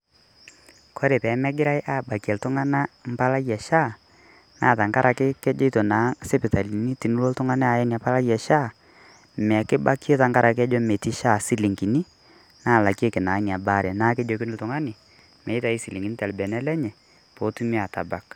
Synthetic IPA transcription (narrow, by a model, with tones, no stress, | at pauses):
kʰo˦ɾe˨pɛ˨˦mɛ˦ɡɪ˦ɾa˦jʔaː˦˨ba˨kjɛ˨ltʊ˦ŋa˦na˦m̩˦pa˦la˦jɛ˨ʃa˦˨ | naː˦˨ta˨ŋka˦ɾʔa˨kɪ˦kɛ˦d͡ʒɔ˦to˨na˨˦sɛ˦pɪ˨ta˨li˨ni˦ti˨nu˦lo˦ltʊ˦ŋa˦nɛ˦a˨jɛ˦ni˨a˨pa˦la˦jɛ˨ʃa˦ | m˨a˨kɪ˦ba˦ki˦e˦ta˨ŋka˦ɾa˨kɪ˦ɛ˦d͡ʒɔ˦me˨ti˦ʃa˦˨si˦li˨ŋɡi˨ni˦ | naː˦˨la˨ke˦kɪ˨naː˨˦ni˨a˨ba˦ɾɛ˨naː˦kɛ˦d͡ʒo˦kɪ˦nɪ˦ltʊ˨ŋa˦nɪ˨ | mɛ˨˦ɪ˦ta˨i˦si˨li˨ŋɡi˨ni˦tɛ˨lbɛ˨nɛ˦lɛ˦ɲɛ˨ | po˨˦tu˦mi˦a˨ta˨ba˨k̚